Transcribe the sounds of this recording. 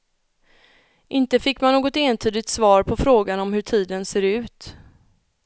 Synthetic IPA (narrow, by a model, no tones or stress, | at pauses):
ʔɪnt̪əfɪkːmanːoːɡɔt̪eːnt̪ʰyːd̪ɪt̪svɑːɾpʰɔfɾoːɡanɔmhɵʈʰiːd̪ənseːɾʉ̟ːt̪